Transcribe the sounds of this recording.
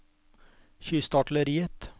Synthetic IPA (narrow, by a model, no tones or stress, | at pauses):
çyːst̪ɑʈləɾiːət̪